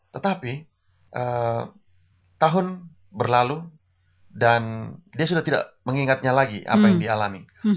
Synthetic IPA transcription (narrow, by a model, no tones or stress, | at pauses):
t̪ət̪api | ʔə | t̪aɦʊn | bərlalu | dandias̬udaht̪ida̰ʔməŋiŋat̪̚ɲalaɡiʔa̰pajaŋdialami